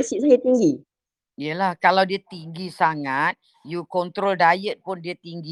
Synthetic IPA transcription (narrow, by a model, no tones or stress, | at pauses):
siʔsajit̪iŋɡi | ijəlahkalawdiət̪iŋɡisaŋat̪̚ | jukɔnt̪ɾoldajət̪̚pʊndiət̪iŋɡi